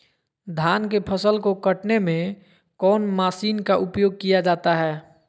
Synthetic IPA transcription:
d̪ʱaːnkepʰəsəlkokəʈnemẽ | kɔːnmaːsiːnkaʔʊpjoːɡ̚kijad͡ʒaːt̪aɦɛː

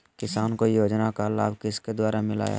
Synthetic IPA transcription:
kɪsaːnkojoːd͡ʒnakalaːbkɪsked̪waːɾamɪla̰ːja̰

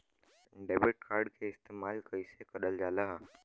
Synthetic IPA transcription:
ɖeːbɪʈ̚kʰaːɾɖkʰeɪst̪eːmaːlkɐisekɐɗəld͡ʒaːlaɦ

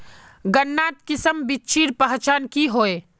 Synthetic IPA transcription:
ɡənːaːt̪kɪsəmbɪt͡ʃʰiːɾpəɦt͡ʃaːnkiɦoːe

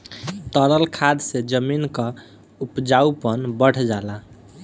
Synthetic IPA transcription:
t̪əɾəlkʰad̪sed͡ʒəminkə | upd͡ʒaupənbəɽ̤d͡ʒala

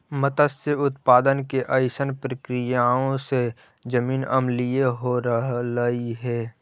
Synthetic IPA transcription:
mət̪əseʊt̪paːd̪ənkeʔəɪsənpɾəkɾɪjaõse | d͡ʒəmiːnɐmlieɦoɾəɦəiɦɛː

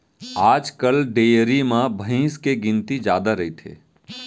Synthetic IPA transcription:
aːd͡ʒkəlɖeɾimãbʱəĩːskeɡint̪id͡ʒaːd̪aɾəit̪ʰḛː

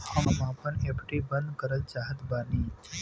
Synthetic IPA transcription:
həmmãpəɳepʈibənd̪kəɾət̪̚d͡ʒaːɦət̪baːni

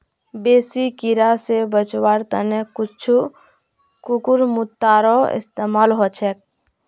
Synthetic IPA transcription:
beːsikiɾasebət͡ʃwaːɾt̪ə̰nekʊt͡ʃʰu | kukuɾmʊt̪ːaːɾɔɪ̰st̪eːmaːlɦot͡ʃʰɛk̚

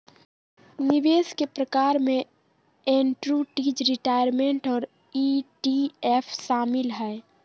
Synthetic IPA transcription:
niʋeskepɾəkaɾmẽ | enʈɾuʈid͡ʒɾiʈajəɾmeɳʈɔːɾ | iʈiepʰʃaːmilɦɛe

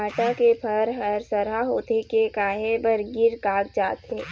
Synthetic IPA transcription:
aːʈakepʰəɾɦəɾsəɾaɦoːt̪ekekaːɦebəɾɡɪɾkaːk̚d͡ʒaːt̪eː

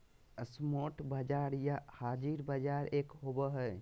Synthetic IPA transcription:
əsmoʈbad͡ʒaɾjahaːd͡ʒiɾbad͡ʒaːɾeːkɦobəɦəj

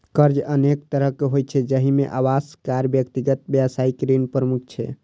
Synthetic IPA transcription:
kəɾd͡ʒənek̚t̪əɾəɦkeɦojt͡ʃʰɛd͡ʒəɦimeʔawaskaɾbjəkt̪iɡət̪̚bjəsaikɾinpɾəmuk̚ʰt͡ʃʰɛ̰

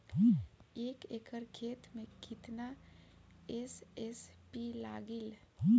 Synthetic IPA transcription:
eːkekəɾkʰet̪mekit̪na | esespilaɡil

